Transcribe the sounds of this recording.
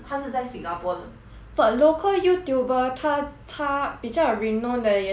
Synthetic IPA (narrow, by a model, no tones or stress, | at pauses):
t̪ʰaʂ̩t͡saɪsĩŋɡapwɔdə | bəlokʰəljut̪jubət̪ʰat̪ʰab̥it͡ɕaɹinɔ̃ndəjɛ